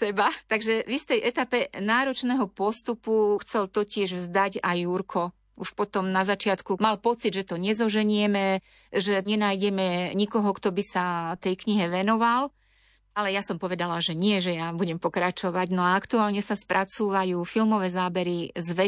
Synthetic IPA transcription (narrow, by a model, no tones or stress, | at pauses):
sɛbat̪aɡʒɛvist̪ɛjʔɛt̪apɛnaːɾɔt͡ʃnɛɦɔpɔst̪upuxt͡sɛlt̪ɔcɪɛʒvzd̪aɟajuɾkʰɔ | uʃpɔt̪ɔmnazat͡ʃɪat̪kumalpɔt͡sid̪ʒɛt̪ɔɲɛzɔʒɛɲɪɛmɛ | ʒɛɲɛnajɟɛmɛɲikɔɦɔkt̪ɔbisat̪ɛjkɲiɦɛʋɛnɔʋal | alɛjasɔmpɔʋɛd̪alaʒɛɲɪɛʒɛjabuɟɛmpɔkɾat͡ʃɔʋaɟnɔaakt̪uaːlɲɛsaspɾʔat͡suːʋajuːfilmɔʋɛːzaːbɛɾizʋɛ